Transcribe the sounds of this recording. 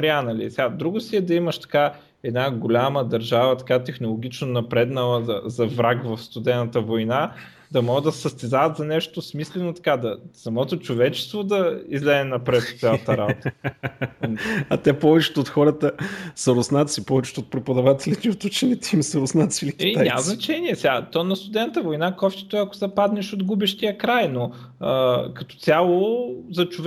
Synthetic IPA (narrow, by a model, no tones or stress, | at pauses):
ɾʲanɐlḭsɛɡad̪ɾuɡʊsiɛd̪ɐimɐʃt̪ɐ̥ka | ɛd̪naɡolʲaməd̪ɐɾʒavət̪ɐ̥kat̪ɛxnolˠoɡ̟it͡ʃnonɐpɾɛd̪nəlˠəzɐzɐvɾakvɐfst̪ʊd̪ɛnət̪əvojna | d̪ɐmɔəd̪ɐsəst̪ɛzavɐt̪zɐnɛʃt̪osmislɛnot̪ɐ̥kad̪ɐsɐmɔt̪ot͡ʃovɛt͡ʃɛ̥st̪vod̪ɐizlɛɛnɐpɾɛt̪t̪sʲjalˠət̪əɾabot̪ | ɐt̪ɛpɔvɛt͡ʃɛ̥t̪ʊːt̪xɔɾət̪əsɐɾʊsnat̪sipɔvɛt͡ʃɛ̥t̪ot̪̚pɾɛpod̪ɐvat̪ɛlit̪iot̪ut͡ʃɛnit̪ɛimsɐɾʊsnat̪silikɛaa̰mznɐt͡ʃɛniɛsɛɡat̪ɔnɐst̪ʊd̪ɛnət̪əvojnakɔft̪ɛ̥t̪oɛɐko̥zɐpad̪nɛʃod̪ɡubɛʃt̪iəkɾajno | əkɐt̪ɔ̥t̪sʲjalˠozɐt͡ʃʊv